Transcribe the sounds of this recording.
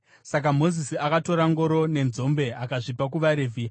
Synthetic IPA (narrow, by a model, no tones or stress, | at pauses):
sak̬amo̞zisiakato̞ɾaŋɡo̞ɾo̞ne̞nzo̞mbe̞akaʐipak̬uʋaɾeːvʱi